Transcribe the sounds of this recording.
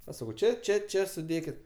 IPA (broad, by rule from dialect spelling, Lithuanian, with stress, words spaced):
ɐʃ ˈsɑːkɐʊ ˈt͡ʃʲɛ ˈt͡ʃʲɛ ˈt͡ʃʲɛ sʊˈdʲeːkʲɪt